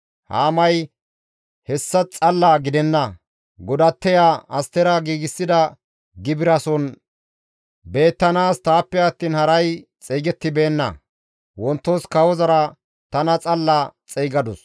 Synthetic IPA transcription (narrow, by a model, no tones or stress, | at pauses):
ha̰ːmɐj | hɛsːɐt͡sʼɐlːaɡɪd̪ɛnːɐ | ɡɔd̪ɐt̪ːɛjaːʔɐst̪ɛɾɐɡiːɡɪsːɪd̪ɐ | ɡɪbɪɾɐsɔn | be̞ːt̪ːɐnaːst̪aːpːɛɐt̪ːiːnhɐɾɐjt͡sʼɛːɡɛt̪ːɪbe̞ːnːɐ̰ | wɔnt̪ːoskɐwɔzɐɾɐ | t̪ɐnɐt͡sʼɐlːat͡sʼɛjɡɐd̪ʊs